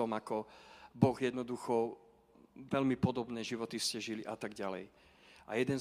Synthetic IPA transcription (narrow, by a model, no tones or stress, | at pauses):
ɔmakɔbɔɣjɛd̪nɔd̪uxɔ | ʋɛlmipɔd̪ɔbnɛːʒiʋɔt̪iscɛʒiliʔat̪aɡɟalɛ̰j | ʔa̰jɛd̪ɛn